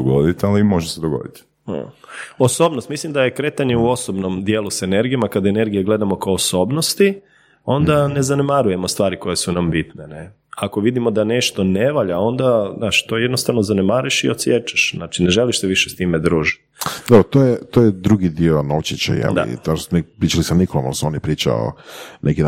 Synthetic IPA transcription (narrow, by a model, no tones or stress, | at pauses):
d̪oɡod̪it̪alimoʒsed̪oɡo̰d̪ḭt̪ | oso̞ːbnost̪mislimd̪aje̞kɾe̞t̪aɲe̞uo̞sobno̞md̪jeːlˠusene̞ɾɡijomakad̪ene̞ɾɡijeɡle̞d̪amo̞kaoːso̞ːbno̞st̪i | o̞nd̪ane̞zanemaɾuje̞most̪ʋaːɾiko̞jesunambit̪nene | ako̞ʋid̪imo̞d̪ane̞ʃt̪o̞neʋaʎao̞nd̪anaːʃt̪o̞jed̪nost̪aʋnozanemaɾuʃiot̪sjet͡ʃḁʃzaːt͡ʃine̞ʒeliʃseʋiʃest̪imed̪ɾuːʒi̥t̪d̪bɾot̪ojet̪oːjed̪ɾuɡid̪ionoʋt͡ɕit͡ɕḛjɛ̰la̰ḭaosnipɾiːt͡ʃalisamnikolˠoma̰lsonipɾiːt͡ʃa̰o̰nekid̪